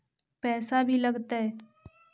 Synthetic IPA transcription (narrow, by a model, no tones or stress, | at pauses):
pɛːsabʱilɐɡt̪aɦɛː